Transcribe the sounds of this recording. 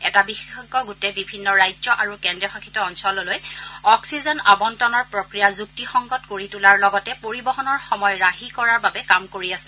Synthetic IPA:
ɛtabixexɔkɔɡutebibʱinːɔɹajzɔʔaɹukɛndɹɔxakʰi̥tɔːnsɔlɔlojɔksizɔnabɔntɔnɔɹpɹɔkɹijazuk̚tixɔŋɡɔtkoɹitulaɹlɔɡɔtɛpoɹibɔɦɔnɔɹxɔmɔjɔɹaɦikɔɹaɹbabɛkamkoɹiasɛ̥

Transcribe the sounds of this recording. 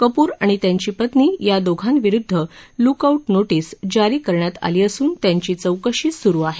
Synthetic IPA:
kəpuːɾaɽ̃it̪jaɲt͡ɕiːpət̪niːjad̪oɡʱanʋiɾud̪ʱːəlukauʈnoʈiːsd͡ʑaɾiːkəɾɳjat̪a̰liːəsuːnt̪jaɲt͡ɕiːt͡səwkəɕiːsuɾuːaɦe

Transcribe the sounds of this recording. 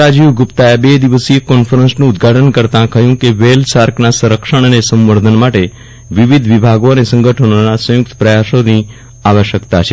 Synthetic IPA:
ad͡ʒiuɡʊpt̪aebed̪iʋəsiekɔnfəɾənsnũːd̪ɡʱaʈʰənkəɾt̪ãkəjũkeʋelsaɾknasəɾəkʃəɳ̃ənesə̃mʋəɾd̪ʱənmaʈe | ʋiʋid̪ʱʋibʱaɡonesə̃ŋɡʱəʈʰononasə̃jʊk̚t̪ə̥pɾəjasoni | aʋəʃjəkt̪at͡ʃʰe

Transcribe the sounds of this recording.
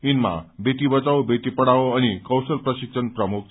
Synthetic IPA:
inma̰bet̪ibət͡sawbet̪ipəɽaoañikəwsəlpɾəɕikʂənpɾəmuk̚

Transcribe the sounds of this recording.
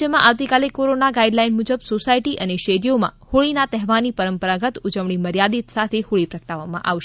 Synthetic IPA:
əmãʔaʋt̪ikalekoɾonaɡaiɖlainmud͡ʒəbsosaiʈiʔəneʃeɾijomã̰huɭinat̪ɛɦʋanipəɾəmpəɾaɡət̪ud͡ʒəʋɳiməɾjad̪it̪sat̪ʰehuɭipɾəkʈaʋːamã̰ʔa̰ʋʃ

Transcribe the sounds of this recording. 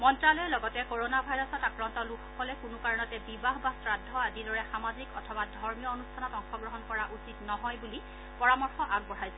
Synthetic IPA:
mɔntɹalɔjɛlɔɡɔtɛkoɹonabʱajɹɔsɔtakɹɔntɔlukʰɔkɔlɛkunʊkaɹɔnɔtɛbibaɦbasɹadʱːɔadidɔɹɛxamazikɔtʰɔbadʱɔɹmijɔonustʰanɔtɔŋxɔɡɹɔɦɔnkɔɹaʔusitnɔɦɔjbuli | pɔɹamɔɹxɔʔaɡ̚bɔɹ̤ajsɛ

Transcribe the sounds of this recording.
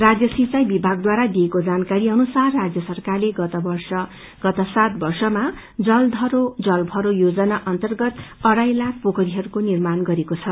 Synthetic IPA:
rad͡zjʌsit͡sajbibʱaɡ̚d̪waɾad̪iekod͡zankaɾiʌnusarːad͡zjʌsʌrkarleɡʌt̪ʌbʌrsʌ | ɡ̥ʌt̪ʌsat̪̚bʌrsʌma | d͡zʌld̪ʱʌɾod͡zʌlbʱʌɾojod͡zʌnaʔʌnt̪ʌrɡʌt̪ʌɾajlak̚ʰpokʌɾiɦʌɾukonirmanɡʌɾekot͡sʰʌ

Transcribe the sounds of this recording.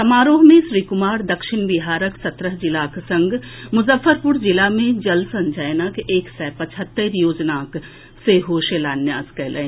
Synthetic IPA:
t̪ɐmaːɾoːɦmẽʃɾiːkʊmaːɾd̪ɐkʃɪnbɪɦaːɾəksɐt̪ɾəɦd͡ʒɪlaːksɐ̃ŋɡmʊzəfːəɾpʊɾd͡ʒɪlamẽd͡ʒɐlsə̃nd͡ʒajnəkeːksɛːpɐt͡ʃʰət̪ːəɾjoːd͡ʒnaːk | seɦoːʃelaːnjaːzkɛɦlḛː

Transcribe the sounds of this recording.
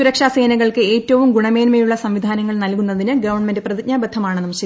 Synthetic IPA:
suɾɐkʂaːse̞ːnɐɣɐɭkɨe̞ːtːɐʋumɡuɳɐme̞ːnmejuɭːɐsɐmʋid̪ʱaːnɐŋːɐɭnɐlkunːɐðinɨɡɐʋɐrɳmendɨprɐðiɲaːbɐd̪ʰʱːɐmaːɳɨnɐmɐt͡ɕi

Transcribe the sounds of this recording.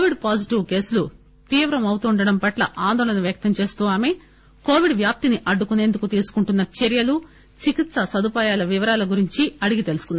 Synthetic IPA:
koʋiɖpaːsiʈiʋke̞ːsulu | t̪iːʋɾɐmɐwt̪uːɳɖɐɽɐmpɐʈlɐʔaːnd̪ɔːlɐnɐʋjɐk̚t̪ɐmt͡ʃe̞ːst̪uːʋaːme̞ː | ko̞ːʋiɖʋjaːp̚t̪iniʔɐɖːukune̞ːnd̪ukut̪iːsu̥kuɳʈunːɐt͡ʃeɾjɐlu | t͡ʃikit̪sɐsɐd̪upaːjaːlɐʋiʋɐɾaːlɐɡuɾiɲt͡ʃiɐɽiɡit̪elusu̥kunː

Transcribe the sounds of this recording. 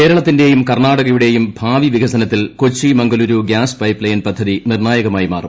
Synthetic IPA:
ke̞ːɾɐɭɐt̪ːinde̞jumkɐrnaːɽɐɣɐjuɽe̞jumbʱaːʋiʋiɡʱɐsɐnɐt̪ːilkot͡ɕːimɐŋɡɐluɾuɡjaːspɐjplɐjɐnpɐd̪ʱːɐðinirnaːjɐɣɐmaːjima̰ːrum

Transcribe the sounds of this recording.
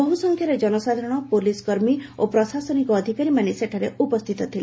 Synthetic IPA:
ɔɦusɔŋkʰjaɾed͡ʒɔnɔsad̪ʱaɾɔɽ̃ɔpoliskɔɾmiopɾɔsasɔnikɔːd̪ʱikaɾimaneseʈʰaɾeupɔst̪ʰit̪ɔt̪ʰile

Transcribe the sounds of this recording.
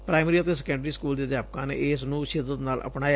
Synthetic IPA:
pɾaːɪmɾiːət̪eːsɛkɛ̃ːɳɖəɾiːskuːld̪eːd̪jaːp̚kãːnḛːɪsnũːʃɪd̪ət̪naːlə̰pɳaːj

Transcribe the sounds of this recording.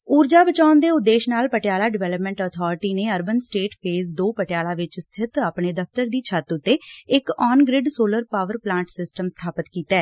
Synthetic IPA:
uːɾd͡ʒaːbət͡ʃaːʊnd̪eːʊt̪d̪ːeːʃnaːlpəʈɪjaːlaːɖɪʋɛːləpmɛ̃ːɳʈɔːt̪ʰɔːɾɪʈiːneːəɾbənsʈeːʈpʰeːzd̪oːpəʈɪjaːlaːʋɪt͡ʃst̪ʰɪt̪aːpɳeːd̪əfʰt̪əɾd̪iːt͡ʃʰət̪ʊt̪ːeːɪkɔːnɡɾɪɖsoːləɾpaːʋəɾplãːɳʈsɪsʈəmst̪ʰaːpət̪kiːt̪aɛː

